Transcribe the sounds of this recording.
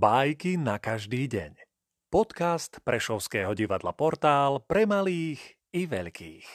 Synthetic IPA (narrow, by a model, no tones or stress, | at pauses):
bajkinakaʒd̪iːɟɛ̰ɲ | pɔt̪kast̪pɾɛʃɔʊskɛːɦɔɟiʋad̪la̰pɔɾt̪aːlpɾɛmaliːx | iʋɛʎkʰḭːx